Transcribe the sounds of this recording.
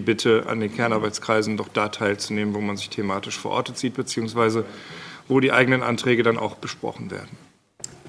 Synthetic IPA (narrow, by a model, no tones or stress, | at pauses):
bɪtʰəʔa̰ndeːnkʰɛɐnʔaɐbaɪt͡sskʁ̥aɪzn̩dɔχd̥aːtʰaɪlt͡suneːmənvoːmanzɪçtʰemaːtɪʃfoːɐʔɔ̰ɐtət͡siːt̚b̥ət͡siːʊŋsv̥aɪzəvoːdiːʔaɪɡənənʔa̰ntʁ̥ɛːɡədanʔa̰ʊxb̥əʃpʁ̥ɔ̰χn̩vḛːɐdn̩